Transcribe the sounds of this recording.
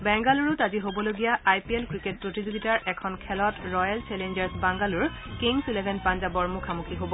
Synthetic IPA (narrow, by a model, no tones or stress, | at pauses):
bɛŋɡaluɹʊtaziɦobɔloɡijaajpiɛlkɹiket̚pɹotizoɡitaɹɛkʰɔnkʰɛlɔtɹɔjalt͡ʃɛlend͡ʒɛɹsbaŋɡaluɹ | kiŋsulebʱɛnpanzabɔɹmukʰamukʰiɦobɔ